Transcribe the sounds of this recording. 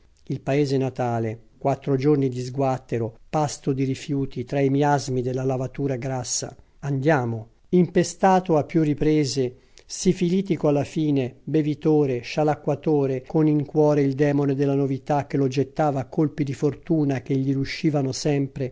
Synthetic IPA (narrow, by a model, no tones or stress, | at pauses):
ilpaeːzenat̪aːlekwat̪ːɾod͡ʒornid̪izɡwat̪ːeɾopast̪od̪iɾifjuːt̪it̪ɾaimiazmid̪elːalavat̪uːɾaɡɾasːa̰ | and̪jaːmo | impest̪aːt̪oapːjurːipɾeːze | sifiliːt̪ikoalːafiːnebevit̪oːɾeʃalakwat̪oːɾekoniŋkwɔːɾeild̪ɛːmoned̪elːanovit̪ak̟ːelod͡ʒet̪ːaːvakːolpid̪ifort̪uːnak̟eʎːiɾuʃːiːvanosɛmpɾe